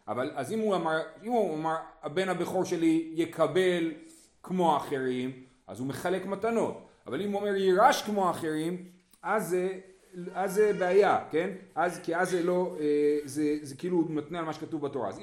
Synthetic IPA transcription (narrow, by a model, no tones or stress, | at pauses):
ʔa̰valazimuamaʁimuamaʁabe̞nabeχo̞ʁʃe̞lije̞kʰabe̞l | kmo̞aːχe̞ʁim | ʔa̰zumeχale̞kmatano̞tavalimuome̞ʁjiʁaʃkmoaːχe̞ʁim | aze | azːebeajake̞nʔazkiazːelo̞ezezekiilunotnealmaʃekatuvbato̞ʁa̰a̰z